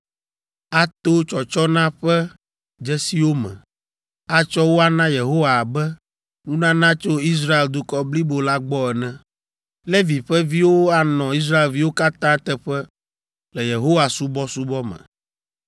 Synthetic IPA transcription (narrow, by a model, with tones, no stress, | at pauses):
a˦t̪o˦t͡ʃɔ˨t͡ʃɔ˦nã˦ɸɛ˦ | d͡ʒɛ˦si˦wo˦mɛ̰̃˨ | a˦t͡ʃɔ˦wo˦a˦nã˦je˨ɦo˦wa˨bɛ˦ | nũ˦nã˦nã˦t͡ʃo˦i˦s̬ɾa˦e˨ld̪u˦kɔ˦bli˦bo˨la˦ɡ͡bɔ˦ɛ˨nɛ̃˦ | le˦vi˨ɸɛ˦vi˦wo˦a˦nɔ̃˨i˦s̬ɾa˦e˨lvi˦wo˦ka˦t̪ã˦t̪ɛ˦ɸɛ˦ | lɛ˨je˨ɦo˦wa˨su˦bɔ˦su˦bɔ˦mɛ̰̃˨